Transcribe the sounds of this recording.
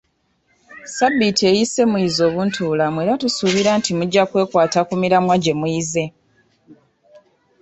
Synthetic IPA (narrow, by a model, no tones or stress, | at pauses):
sabːitʰe̞ːjise̞muizo̞ːβuntʰuːlamweɾatusuβiɾaːntimuɟːakwe̞ːkwaːtakumiɾamwaɟe̞muize̞